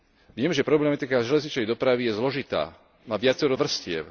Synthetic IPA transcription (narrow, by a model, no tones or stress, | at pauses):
ʋɪɛmʒɛpɾɔblɛmat̪ikaʒɛlɛzɲit͡ʃnɛjd̪ɔpɾaʋijɛzlɔʒit̪a̰ː | maːʋɪat͡sɛɾɔʋr̩scɪɛ̰ʊ